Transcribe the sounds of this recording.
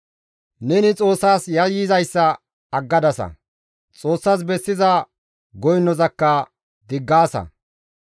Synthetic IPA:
nɛnɪt͡sʼo̞ːsːaːsjɐjɪzɐjsːɐ | ɐɡːɐd̪ɐsɐ̰ | t͡sʼo̞ːsːaːs̬bɛsːɪzɐ | ɡɔjnːɔzɐkːɐ | d̪ɪɡːaːsɐ̰

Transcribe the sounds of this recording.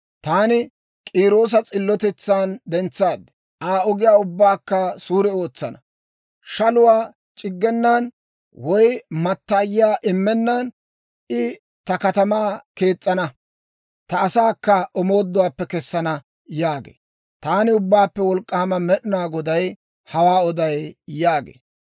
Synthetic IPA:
t̪aːnɪ | kʼiːɾoːs̬ɐt͡sʼɪlːɔt̪ɛt͡sːaːnd̪ɛnt͡sːaːd̪ɛ̥ | ʔaːɔɡɪjaːʊbːaːkːɐsuːɾɛo̞ːt͡sːɐnɐ̰ | ʃɐlʊwaː | t͡ʃʼɪɡːɛnːan | wɔjmɐt̪ːaːjɪaːʔɪmːɛnːan | ʔɪ | t̪ɐkɐt̪ɐmaːke̞ːt͡sʼːɐnɐ | t̪ɐːsaːkːɐɔmoːd̪ːʊwaːpːɛkɛsːɐnɐ | jaːɡḛː | t̪aːnɪʊbːaːpːɛwɔlkʼːaːmɐmɛɗɪnaːɡɔd̪ɐj | hɐwaːɔd̪ɐjjaːɡḛː

